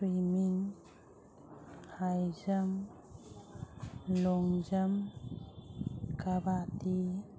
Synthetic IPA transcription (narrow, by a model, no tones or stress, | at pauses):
pɾimiŋ | hajd͡ʒəm | lɔŋd͡ʒəm | kabati